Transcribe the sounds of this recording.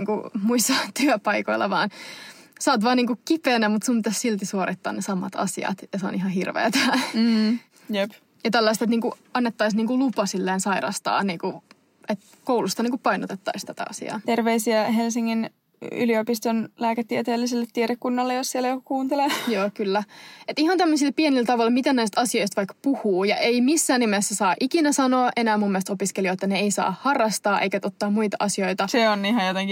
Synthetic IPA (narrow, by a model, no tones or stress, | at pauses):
ŋkṵmuisɑt̪yøpɑikoilːʔɑ̰ʋɑːn | sɑːt̪ʋɑːniːŋkukipeːnæmut̪sumpit̪æssilt̪isuoɾʔit̪ːɑ̰ːnnesɑmɑt̪ɑ̰siɑ̰t̪jɑseo̰nihɑhirʋḛːt̪æː | jep | jɑt̪ælːɑist̪et̪niːŋkuɑnːet̪ːɑisniːŋkulupɑsilːeːnsɑiɾɑst̪ɑ̰ːniːŋku | et̪ | koulust̪ɑniːŋkuppɑinot̪et̪ːɑist̪æt̪æ̰ɑ̰sḭɑ̰ːt̪erʋeisiæɦelsiŋːin | y̰liopist̪onlæːket̪ːiet̪eːlːiselːet̪ːieɾekːunːɑlːejossielæjokukuːnt̪elejoːkylːæet̪ihɑnt̪æmːəsilpienilt̪ɑʋɑlmit̪ænæist̪ɑsioist̪ʋɑijkːpuhuːjɑʔeimisːæːnːimesːæsɑːʔikinæsɑnoːʔenæːmumːielst̪opiskelioet̪ːæneeisɑ̰ːhɑrːɑst̪ɑːʔḛjkæt̪ot̪ːɑːmuit̪ɑʔɑsiojt̪ɑseonnihɑjot̪eŋki